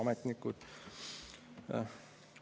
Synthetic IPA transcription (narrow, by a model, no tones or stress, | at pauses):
ɑmɛt̪nikːud̪̥